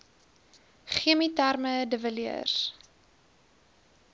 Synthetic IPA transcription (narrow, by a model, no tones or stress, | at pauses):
χiəmitarmədəvəliə̰r